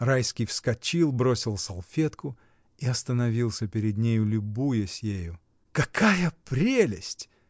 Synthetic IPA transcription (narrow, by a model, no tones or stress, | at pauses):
rajskʲijfskɐt͡ɕilˠbɾo̞sʲɪlˠsɐlˠfʲe̞t̪kʊ | iɐst̪ənɐvʲilˠsʲəpʲɪɾʲɪd̪nʲejʊlʲʊbujəsʲjejʊ | kɐkʰajəpɾʲelʲɪsʲtʲ